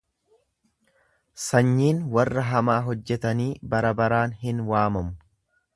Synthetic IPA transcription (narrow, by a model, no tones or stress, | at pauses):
sɐɲːiːnwɐrːɐɦɐmaːɦɔd͡ʒːɛt̪ɐniːbɐɾɐbɐɾaːnhɪnwaːmɐmʊ̥